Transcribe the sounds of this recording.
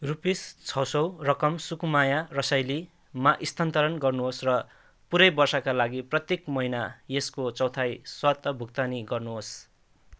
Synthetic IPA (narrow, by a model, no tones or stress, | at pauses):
rupist͡sʰʌwsʌwrʌkʌmsukumajarʌsʌjli | maʔist̪ʰant̪ʌɾʌnɡʌrnuɦosrʌ | puɾʌjbʌrsʌkalaɡiprʌt̪jekmʌɦinajeskot͡sʌwt̪ʰajswat̪ʌbʱukt̪aniɡʌrnuɦos